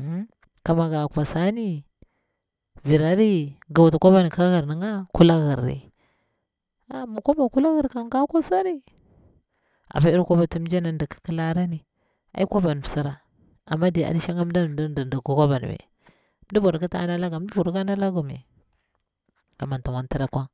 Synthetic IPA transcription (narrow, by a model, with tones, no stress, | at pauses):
ka˨ma˨ɡa˨kʷa˨sa˦ni˦ | vi˨ɾa˦ɾi˦ɡa˨wa˨tu˨ka˦ba˦n˨ka˦ɣi˨ɾni˨˦ŋa˦ku˦la˦ɣi˨ɾːḭ˦ | a˨mu˨kʷa˦ba˨ku˦la˦ɣi˦ɾka˨ŋ˦ɡa˦kʷa˦sa˦ɾi˦ | a̰˨pa˦i˦ɾkʷa˦ba˨tu˨˦m˦d͡ʒa˦na˨n˦di˨ki̥˦ki˦la˦ɾa˦ni˨ | a̰˦i˦kʷa˦ba˨n˨sa˦ɾa˨ | a̰˨mːa˦di˨a̰˨li˦ʃa˦ŋa˦m˦da˦˨ddndi˨ku˦kʷa˦ba˨n̰˨wḛ˨ | m˦di˦bo˨ɾki˦ta̰˦na˦la˦ɡa˨m˦di˦bu˨ɾka˦na˦la˦ɡu˨mḛ˨ | ka˨ma˨nta˨ma˨nti˦ɾa˨kʷa˦